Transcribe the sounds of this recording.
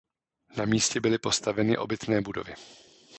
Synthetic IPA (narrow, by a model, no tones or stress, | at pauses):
namiːscɛbɪlɪpo̞st̪avɛnɪʔo̞bɪt̪nɛːbudo̞̰vɪ